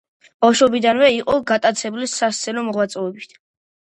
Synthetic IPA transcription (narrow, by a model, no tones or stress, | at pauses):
b̥awʃɔbid̪anvɛiqʼɔɡat̪ʼat̪sʰɛbulisast̪sʰɛnɔmɔʁwat̪sʼɔɛbit̪ʰ